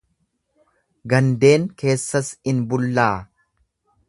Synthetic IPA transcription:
ɡɐnd̪e̞ːŋke̞ːsːɐsɪnbʊlːaː

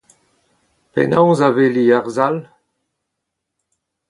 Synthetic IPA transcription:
pɛ̰nãwzaveliaʁzal

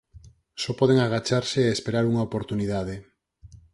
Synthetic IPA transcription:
sɔpɔð̞eŋaɣ̞at͡ʃaɾseːespeɾaɾuŋaopoɾt̪uniðaðe

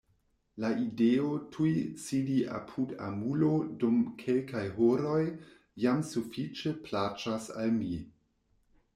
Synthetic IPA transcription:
laideotʰujsidiʔa̰pʰuda̰mulodumkʰe̞lkajɦoɾo̞j | jamsufit͡ʃeplat͡ʃasa̰lmi

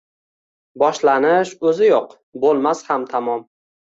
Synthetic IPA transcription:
bɒʃlanɪʃɵzɪjoq | bolˠmashamt̪ʰamɒm

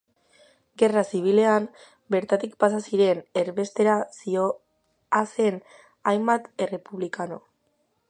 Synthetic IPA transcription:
ɡe̞rasiβ̞ile̞am | be̞ɾt̪at̪ikpasasiɾe̞ne̞ɾβe̞st̪e̞ɾasio | ase̞n | ajmbat̪e̞re̞puβlikano̞

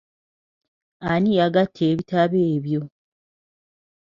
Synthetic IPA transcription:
anijaɡatʰːeːβitaβeːβjo

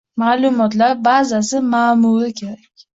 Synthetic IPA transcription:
maːlˠʊmɒt̪laɾbazasɪmaːmulɪkʲʰe̞ɾakʲ

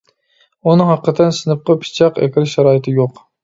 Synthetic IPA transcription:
unɨŋhɑqːət̪ʰɨnsɪnɨp̚qɑpʰɪ̥t͡ʃʰɑqḛkʲɪɾʃɑɾɑːjɪt̪ʰɪjoq

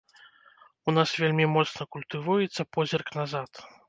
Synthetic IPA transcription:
unasvʲelʲmʲimɔt̪snɐkulʲt̪ɨvujɛt̪sːɐpɔzʲɛrknazat̪

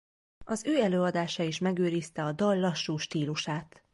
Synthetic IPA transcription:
ɒzøːɛløːɒd̪aːʃɒiʃmɛɡøːɾist̪ɛɒd̪ɒlːɒʃːuːʃt̪iːluʃaːt̪

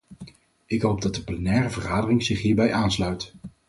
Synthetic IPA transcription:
ɪkɦowb̚dɑt̚dəplɛnɛːrəvəχaːdərɪŋzɪχɦiːɹbɛjʔaːnslœɥt

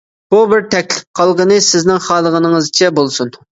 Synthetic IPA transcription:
b̥ubɪɾt̪ʰɛkʲlɪp̚qʰɑlˠʁənɨsɪznɪŋχɑːlˠəʁənɨŋɨzt͡ʃʰɛbolˠsun

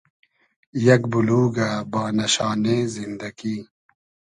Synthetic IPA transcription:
jɐkbuluːɡabaːnɐɕaːneːzind̪ɐɡiː

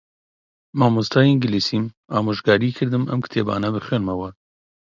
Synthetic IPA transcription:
maːmust̪ʰaːjŋɡɪlisim | aːmoʒɡaːɾiːkʰɨɾd̪ɨmɐ̰mkʰɨ̥t̪ʰeːba̰ːnɐbɨχweːnmɐwaɾ

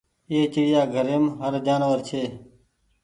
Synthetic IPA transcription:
eːt͡ʃəɽɪjaːɡʱəɾeːmɦəɾd͡ʒaːnəʋəɾt͡ʃʰeː

